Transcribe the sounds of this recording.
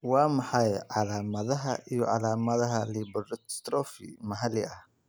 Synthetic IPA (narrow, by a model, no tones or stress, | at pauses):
wɑːmɑħɑjʕɑlaːmɐðɐɦɐʔijɔʕɑlaːmɐðɐɦɐliːbɾst̪ɾɔːfḭmɐɦɐlɪɐh